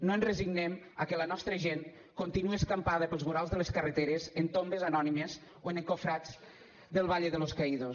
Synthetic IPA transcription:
noenreziɡnemakelənɔst̪ɾəʒen | kont̪inueskampaðəpəlˠzmuɾalˠzðəleskəret̪eɾezent̪ombezanɔnimez | oeneŋkofɾad͡z | d̪əlˠβ̞aʎeðəloskaiðo

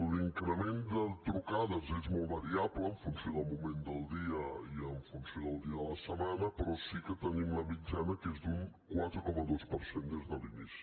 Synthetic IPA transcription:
liŋkɾəmend̪ət̪ɾukaðəzezmɔlˠβəɾiabləːɱfunsioðəlˠmumend̪əlˠd̪iəiəɱfunsioðəlˠd̪iəðələsəmanəpəɾɔsikət̪ənimləmid͡ʒanəkezd̪uŋkwat̪ɾəkɔməðospəɾsend̪ezðəlinisi̥

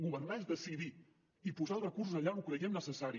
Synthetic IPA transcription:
ɣuβərnaezðəsiði | ipuzalˠrəkus̬uzəʎaukɾəiemnəsəsaɾi

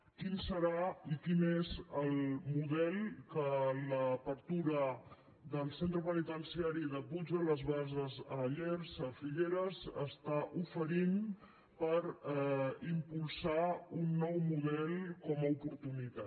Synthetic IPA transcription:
kinsəɾaikinezəlˠmuðɛlˠkələpəɾt̪uɾə | ðəlˠsent̪ɾəpənit̪ənsiaɾiðəpud͡ʒələzβazəzəʎeɾzəfiɣeɾəzə̰st̪aʔufəɾin | pəɾ | impulˠsaunːɔwmuð̞ɛlˠkɔməupuɾt̪unit̪a

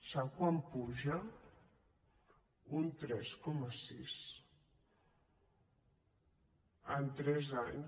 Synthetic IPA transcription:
sakwampuʒə | unt̪ɾɛskɔməsis | ənt̪ɾɛzaɲ

